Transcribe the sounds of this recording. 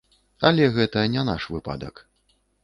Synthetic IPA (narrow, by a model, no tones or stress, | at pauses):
ɐlʲɛɣɛt̪ɐnʲɛnaʂvɨpa̰d̪ɐ̰k